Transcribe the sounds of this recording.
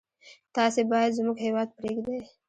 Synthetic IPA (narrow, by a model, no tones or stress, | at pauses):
t̪ɑːsebɑjad̪zmuɡɦewɑːd̪̚pɾeɡd̪e